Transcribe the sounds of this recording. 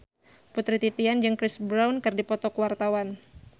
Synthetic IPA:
put̪ɾit̪it̪iand͡ʒəŋkɾɪsbɾawnkɨrdipɔt̪ɔkəwart̪awan

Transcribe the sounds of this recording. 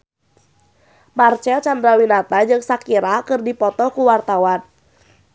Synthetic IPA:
mart͡ʃɛlt͡ʃandɾawinat̪ad͡ʒɨŋsakiɾakɨrdipɔt̪ɔkuwart̪awan

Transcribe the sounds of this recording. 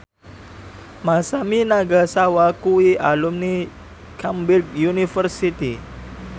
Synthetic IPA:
masaminaɡasawakuiʔalumni | kʰambilɡ̚junifərsit̪i

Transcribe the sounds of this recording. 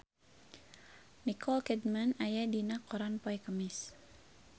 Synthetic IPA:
nikɔlkɛd̚manajadinakɔɾanpɔjkəmis

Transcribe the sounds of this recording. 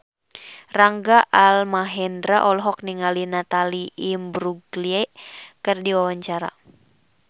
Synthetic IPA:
raŋɡaʔalmaɦɛndɾaʔɔlɔɦɔk̚niŋalinat̪aliʔːmbɾuɡliɛkɨrdiwawaɲt͡ʃaɾa̰

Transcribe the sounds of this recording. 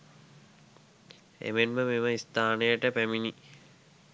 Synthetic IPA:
ḛmenməmiməist̪aːnəjəʈəpæmini

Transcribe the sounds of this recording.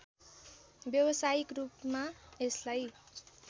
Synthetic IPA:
bjʌwʌsajikrupmaeslaj

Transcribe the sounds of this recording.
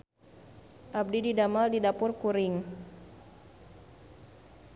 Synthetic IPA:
ʔab̚dididamaldidapʊrkuɾɪŋ

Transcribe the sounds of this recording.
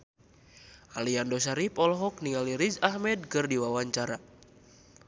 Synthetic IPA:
ʔaliandɔsaɾipɔlɔɦɔk̚niŋaliɾid͡ʒahmɛd̚kɨrdiwawaɲt͡ʃaɾa

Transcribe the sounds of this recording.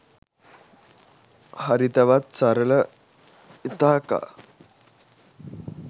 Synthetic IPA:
hɐɾit̪ɐʋat̪̚saɾələ | it̪aːka̰

